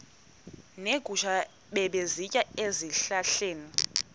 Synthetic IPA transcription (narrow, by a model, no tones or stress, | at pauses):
neɡ̥ʱuʃa | ɓɛɓezicʼaeziɬaɬeːni